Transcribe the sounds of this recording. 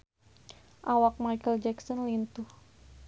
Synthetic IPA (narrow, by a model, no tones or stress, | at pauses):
ʔawak̚majkəld͡ʒɛksɔnlint̪uh